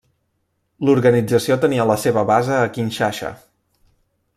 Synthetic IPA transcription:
luɾɣənid͡zəsiot̪əniələseβəβazəːkinʲʃaʃə̰

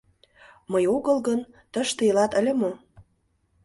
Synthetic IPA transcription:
məjoɣəlɣən | t̪əʃt̪eilɑt̪ə̆lʲĕmo

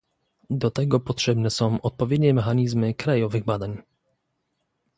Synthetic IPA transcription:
d̪ɔt̪ɛɡɔpɔtʂɛbnɛsɔ̃w̃ʔɔt̪̚pɔvʲjɛd̪ɲɛmɛxaɲizmɘkɾajɔvɘɣbad̪aɲ

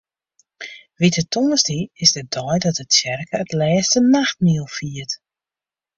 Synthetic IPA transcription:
ʋitətʰonstiɪsdədɔjdɔtətsjɛrkəːtlɛːstənaxt̚niəlˠfiət

